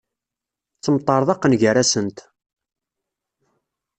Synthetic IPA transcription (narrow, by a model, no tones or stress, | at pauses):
t͡sːəmt̪ˤːɑɾˤðˤɑqːənʝəræsənt̪